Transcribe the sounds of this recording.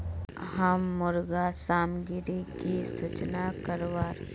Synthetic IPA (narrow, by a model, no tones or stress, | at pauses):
ɦəmːʊɾɡasaːmɡɪɾikisut͡ʃnakəɾʋaːɾ